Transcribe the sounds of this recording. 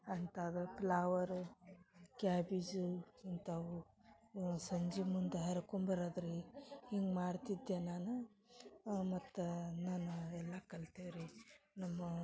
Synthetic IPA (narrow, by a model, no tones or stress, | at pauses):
ɐnt̪ad̪ɐplaːʋɐɾu | kaːbid͡ʒuɐnt̪awu | sɐɲd͡ʒimund̪uɦɐɾɐkombɐɾad̪ɾeiŋɡmaːɽt̪id̪jenaːnu | mɐt̪ːunaːnuɛlːɐkɐlt̪eʋɾinɐmːɐ